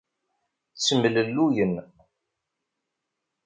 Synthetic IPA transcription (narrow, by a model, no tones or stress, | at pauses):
t͡sːəmələlːujən